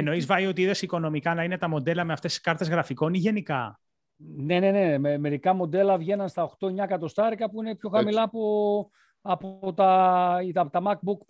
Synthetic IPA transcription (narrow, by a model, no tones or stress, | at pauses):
eno̞izvɐio̞t̪iiðe̞siko̞no̞mikɐnɐine̞t̪ɐmo̞d̪e̞lɐme̞ɐft̪e̞si̥skɐɾt̪e̞zɣɾɐfiko̞niʝe̞nikɐ̰ | ne̞ne̞ne̞meme̞ɾikɐmo̞d̪e̞lɐvʝe̞nɐnst̪ɐo̞xt̪o̞eɲɐkɐt̪o̞st̪ɐɾikɐpuinepço̞xɐmilɐːpo | ɐpot̪ɐit̪ɐt̪ɐmɐk̚buk